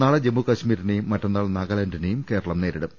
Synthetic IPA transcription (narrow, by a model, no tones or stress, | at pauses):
aːɭɐd͡ʑemːukɐɕmiːɾinejumːɐtːɐnːaːɭnɐɡɐlɐndinejumke̞ːɾɐɭɐmne̞ːɾiɽɨm